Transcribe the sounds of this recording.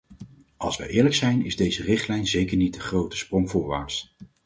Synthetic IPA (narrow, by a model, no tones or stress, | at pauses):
ɑ̰lˠsʋə̰jʔɪːɹləksɛjnɪ̰zdejzərɪχtlɛjnzejkəɹnidəχrowtə̥sprɔŋvʊːɹʋa̰ːɹs